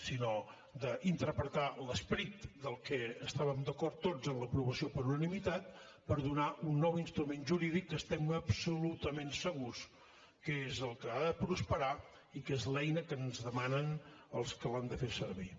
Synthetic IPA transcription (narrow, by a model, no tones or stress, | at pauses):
sinɔ | d̪əʔint̪əɾpɾət̪aləspɾit̪d̪əlˠkɛəst̪aβəmd̪əkɔɾt̪ːozənləpɾuβəsiopəɾunənimit̪at̪̚ | pəɾðunaʔunːɔwinst̪ɾumenʒuɾiðikːəst̪ɛməpsulut̪əmensəɣus | kəezəlˠkəaðəpɾuspəɾa | ikezlɛjnəkənzðəmanənəlˠskəland̪əfeɾsəɾβi